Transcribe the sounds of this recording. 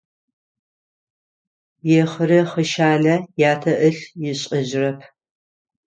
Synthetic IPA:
jɛχəɾɐχəʃaːnɐjaːtʰɐʔɨɬjɪɕʼɐʑɪrɐpʰ

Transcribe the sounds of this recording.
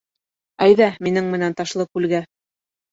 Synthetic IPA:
æjðæminɘŋmɘ̆nænt̪ɑʃlˠɤkʉlɡæ

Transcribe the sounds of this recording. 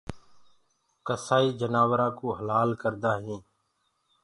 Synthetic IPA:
kəsaːiːd͡ʒənaːʋɾãːkoːɦəlaːlkəɾd̪aːɦĩː

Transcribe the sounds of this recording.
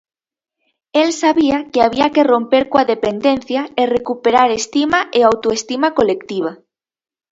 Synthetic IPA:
elsaβiakeaβ̞iakerõ̞mpeɾkoaðepend̪enθjaerekupeɾaɾest̪imaʔeawt̪oest̪imakolekt̪iβ̞a

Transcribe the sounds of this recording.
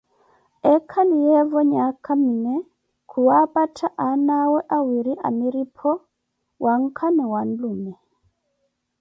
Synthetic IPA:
ɛkʰalijɛvɔɲakʰaminɛ | kʰuwapatʰaʔanawɛʔawiɾiʔa̰miɾipʰɔ | wʔaŋ̩kʰamiwan̩lumɛ

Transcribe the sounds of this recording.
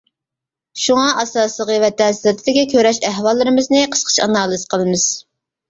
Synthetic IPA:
ʃuŋɑʔɑsɑːsəʁəvɛt̪ʰɛst̪ʰɪd̪ɪkʲɛkʲʰøɾɛʃæɦwɑlˠːɨɾɨmɨznɨqʰə̥sqʰə̥ʃɑ̰nɑːlˠɨzqʰəlˠɨmɨz̥

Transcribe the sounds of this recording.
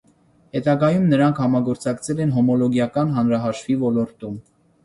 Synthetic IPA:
hɛt̪ɑɡɑjumnəɾɑŋkʰhɑmɑɡɔɾt͡sɑkt͡sʰɛlɛnɦɔmɔlɔɡjɑkɑnɦɑnɾɑɦɑʃfivɔlɔɾt̪um

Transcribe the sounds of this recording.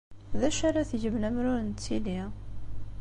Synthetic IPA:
ðæʃaɾˤaθʝəmnæmɾʊɾənt̪ːili

